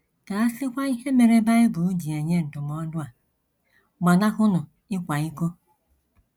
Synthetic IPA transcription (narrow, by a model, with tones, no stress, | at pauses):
ka˨a˦sɪ˦kʷa˦i˦ɦe˦me˨ɾe˦ba˦ɪ˦bu˨u˦d͡ʒi˨e˨ɲe˦n̩˨tʊ˨mɔ˨˦dʊ˦a˨ | ma˨na˦kʊ˦nʊ˨ | ɪ˦kʷa˨i˦ko˦